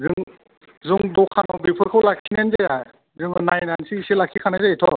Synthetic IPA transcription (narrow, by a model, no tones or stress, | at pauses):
zɯŋ | zuŋdɔkʰanɔwbipʰɯɾkʰawlakʰinenzeja | zɯŋɯnajnansiiselakʰikʰanajzaitʰɔ